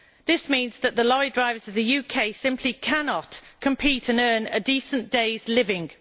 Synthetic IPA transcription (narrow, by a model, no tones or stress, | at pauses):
ðɪsmĩːnzðəʔðəlɔɪdɹaɪvəzəvðəjʉːkʰeɪsɪ̃mpʰlikʰanɒʔkʰə̃mpʰiˑtʰə̃nɜːnədiˑsə̃nd̥eɪzlɪvɪ̃ŋ